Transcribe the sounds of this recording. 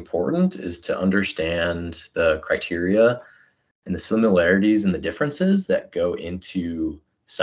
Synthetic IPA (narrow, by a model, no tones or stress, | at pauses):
mpʰɔ̰ɹʔn̩tʰɪ̰z̥tʰɨʔʌ̰̃ndə˞stæ̃nðɨkʰɹ̥aɪtʰɪɹiə | ɨ̃nðɨsɪməl̩ˠɛɹɨɾiz̃n̩ðɨdɪfɹɨ̃nsɪzðɨt̚ɡ̥oʊʔɪ̃ntʰʉ | s